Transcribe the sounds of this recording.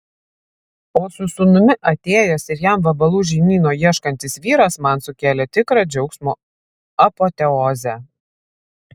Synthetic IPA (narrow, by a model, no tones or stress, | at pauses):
oːsʊsʊnʊmʲɪʔɐt̪ʲeːjoːsɪɾjæmʋɐbɐlˠuːʒʲɛɪmʲiːnoːjiɛʃkɐnʲt̪ʲɪsʋʲiːɾɐsmɐnsʊkʲæːlʲɛt̪ʲɪkɾɑd͡ʒʲɛʊksmuː | ɐpoːt̪ʲɛɔːzʲæ